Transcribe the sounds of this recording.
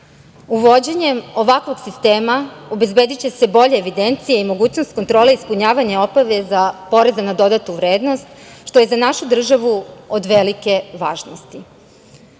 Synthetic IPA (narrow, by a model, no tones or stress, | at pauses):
uʋo̞d͡ʑeɲe̞mo̞ʋakʋo̞ɡsist̪e̞ːmaobe̞zbe̞d̪it͡ɕe̞se̞bo̞ʎeːʋid̪e̞nt̪sijeimo̞ɡuːt͡ɕnost̪̚ko̞nt̪ɾo̞ːleispuɲaːʋaɲao̞baʋe̞zapo̞ɾe̞zanad̪o̞d̪at̪uʋɾe̞ːd̪no̞st̪ʃt̪o̞je̞zanaʃud̪r̩ʒaʋuod̪ʋe̞like̞ʋaːʒnost̪i